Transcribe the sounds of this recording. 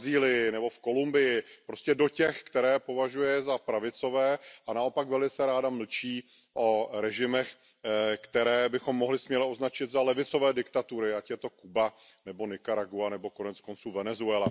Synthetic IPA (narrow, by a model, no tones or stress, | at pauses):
ziːlɪjɪnɛbo̞fko̞lumbɪjɪpɾoscɛdo̞cɛxkt̪ɛɾɛːpo̞vaʒujɛzapɾavɪt͡so̞vɛːanao̞pakvɛlɪt͡sɛɾaːdaml̩t͡ʃiː | ʔo̞ɾɛʒɪmɛx | kt̪ɛɾɛːbɪxo̞mːo̞ɦlɪsmɲɛlɪʔo̞znat͡ʃɪd̪zalɛvɪt͡so̞vɛːdɪkt̪at̪uɾɪacjɛt̪o̞kuba | nɛbo̞nɪkaɾaɡuanɛbo̞ko̞nɛt͡sko̞nt͡suːvɛnɛzuɛla